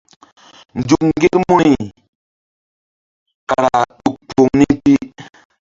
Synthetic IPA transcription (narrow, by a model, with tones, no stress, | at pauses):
n̩˨d͡ʒu˨k̚ŋŋ˦ɡe˦ɾmo˦i˨ | ka˨ɾa˨ɗu˨k̚k͡po˨ŋni˦ti˦